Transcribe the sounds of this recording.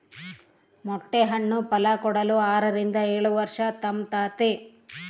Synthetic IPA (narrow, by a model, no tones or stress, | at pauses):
mɔʈːeɦɐɳːupɐlɐkɔɽɐluaːɾɐɾind̪ɐeːɭuʋɐɾʂɐt̪ɐmt̪aːt̪e